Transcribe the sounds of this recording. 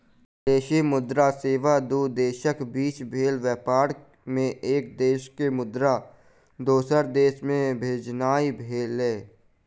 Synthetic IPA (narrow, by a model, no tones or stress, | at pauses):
d̪eːʃimʊd̪ɾaseːʋad̪ud̪eːʃəkbiːt͡ʃbʱeːlʋɛːpaːɾ | mẽʔeːk̚d̪eːʃkemʊd̪ɾa | d̪oːsəɾd̪eːʃmẽbʱeːd͡ʒnaːibʱeːlẽː